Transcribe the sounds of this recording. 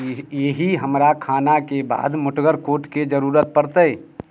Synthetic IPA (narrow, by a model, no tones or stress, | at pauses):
jeɦiɦɐmɾakʰaːnakeba̰ːd̪mʊʈʰɡəɾkoːʈked͡ʒəɾuːɾət̪̚pəɾt̪əe